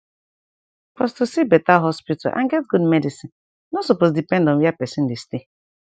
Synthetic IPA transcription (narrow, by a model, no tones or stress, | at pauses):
pɔstusibɛtaɦɔspita̰lʔã̰nɡɛt̚ɡudmɛdisĩn | nosopozdipɛ̃ndɔ̃nwjapɛsĩn̩diste